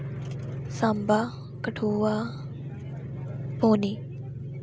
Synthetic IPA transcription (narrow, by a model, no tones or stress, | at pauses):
samba | kəʈʰuːa | poːniː